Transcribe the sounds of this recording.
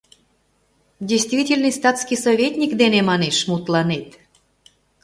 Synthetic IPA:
dʲejst̪vʲitʲelʲnist̪ɑt̪skisovʲet̪ʲnʲikd̪enemɑneʃmut̪lɑnet̪

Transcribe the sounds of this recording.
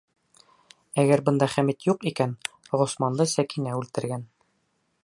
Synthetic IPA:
æɡæɾbɤ̆nd̪ɑχæmit̪juqikæn | ʁŏsmɑnd̪ɤsækinæʉlt̪ɘ̆ɾɡæn

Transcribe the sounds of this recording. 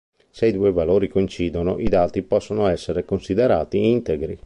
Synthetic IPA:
sejd̪uːevaloːɾikoint͡ʃiːd̪ono̰ʔid̪aːt̪ipɔsːonoɛsːeɾekonsid̪eɾaːt̪iint̪eɡɾi

